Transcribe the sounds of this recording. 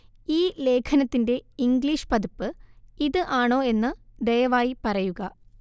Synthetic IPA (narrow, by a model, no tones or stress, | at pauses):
iːle̞ːkʰɐnɐt̪ːinde̞iŋɡliːʂɨ̥pɐðupːɨiðɨʔaːɳo̞ːe̞nːɨd̪ejɐʋaːjipɐrɐjuɣɐ